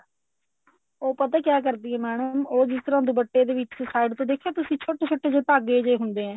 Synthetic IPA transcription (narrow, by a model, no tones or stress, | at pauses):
oːpət̪aːkjaːkəɾd̪iːɛːmɛːɳəmoːd͡ʒɪst̪əɾãːd̪ubəʈːeːd̪eːʋɪt͡ʃsaːɪɖt̪õːd̪eːkʰːaːt̪ʊsĩːt͡ʃʰoːʈeːt͡ʃʰoːʈːeːd͡ʒeːpaːɡeːd͡ʒeːɦʊnd̪eːɦɛ̃ː